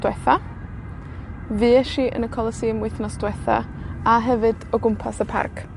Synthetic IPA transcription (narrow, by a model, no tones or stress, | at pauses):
d̥wɛθa | vɨːɛʃiʔə̰nəkʰɔlˠəsimwɪθnɔsd̥wɛθa̰ | aɦɛvɨd̥ɔɡʊmpʰasəpʰa̰rkʰ